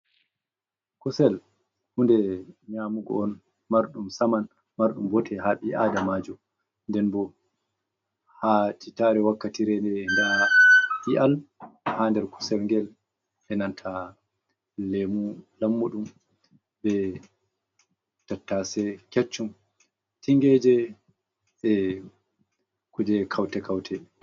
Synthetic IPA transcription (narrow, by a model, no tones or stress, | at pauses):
kusɛl | hundɛɲamuɡɔ̰ɔn | maɾɗumsaman | maɾɗumbɔtʰɛɦaɓiʔadamaːd͡ʒɔ | ndɛnbɔ | hatʰitaɾɛwakːatiɾɛndɛndaɓiʔalhandɛɾku̥sɛɾŋɡɛl | ʔɛnantʰa | lemulamːuɗum | bɛ | tatːasɛkɛt͡ʃːum | tiŋɡɛːd͡ʒɛ | ʔɛ | kud͡ʒɛkʰawtɛkawtʰɛ